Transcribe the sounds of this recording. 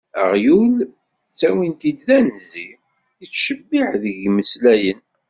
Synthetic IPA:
ə̰ʁjul | t͡sːæwint̪id̪ðænzi | it͡sːʃəbːiħðəʝməslæjən

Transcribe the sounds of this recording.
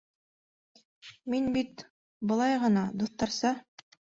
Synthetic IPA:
minbit̪ | bɤ̆lˠɑjʁɤ̆nɑd̪uθt̪ɑɾsɑ

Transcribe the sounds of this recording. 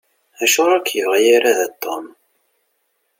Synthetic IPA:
æʃʊɾˤɑkːjəvʁjiɾaðæt̪ˤːom

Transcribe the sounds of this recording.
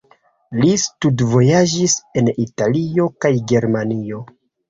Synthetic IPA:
listudvo̞jad͡ʒise̞nitalio̞kajɡe̞ɾmanio̞

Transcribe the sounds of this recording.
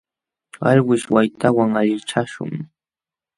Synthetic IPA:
aʎwɪʃwajt̪awaŋaʎɪt͡ʃaʃʊ̰ŋ

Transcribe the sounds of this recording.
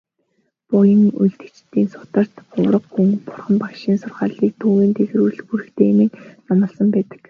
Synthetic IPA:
pʊjə̆ŋṵjɮt̪ɘ̥̆t͡ɕt̪ːiːŋsʊ̥t̪ə̆r̥t̪ɢʊwɾə̆qxuŋpʊ̥rχə̆mpakʃiːnsʊrχaːɮiːk̚t̪ʰuːweːnt̪ʰex̆ɾuːɮxuɾɘ̆xt̪ʰeːmɘ̆knamə̆ɮsə̆mpæːt̪ə̥̆k

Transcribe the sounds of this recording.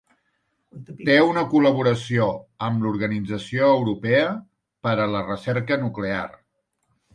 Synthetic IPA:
t̪eunəkuləβ̞uɾəsioəmluɾɣənid͡zəsioəwɾupɛə | pəɾələrəsɛrkənuklea̰r

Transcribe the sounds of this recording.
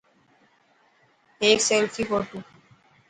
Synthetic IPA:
ekselfʰikoʈu

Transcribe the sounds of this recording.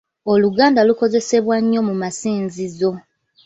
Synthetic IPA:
o̞luɡaːndaluko̞ze̞se̞βwaɲːo̞mumasiːnzizo̞

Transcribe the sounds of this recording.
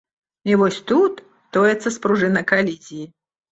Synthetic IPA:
ivɔsʲt̪ut̪ | t̪ɔjɛt̪sːɐspɾuʐɨnɐkalʲizʲiji

